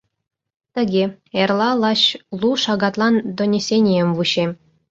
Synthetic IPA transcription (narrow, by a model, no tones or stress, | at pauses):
t̪ɘ̆ɡʲe | erlˠɑlˠɑɕlˠuʂɑɡɑt̪lˠɑnd̪ŏnʲesʲenʲĕmʲʋuɕe